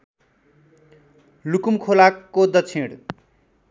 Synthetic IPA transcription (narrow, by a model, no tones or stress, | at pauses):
lukumkʰolakːod̪ʌt͡sʰẽɽ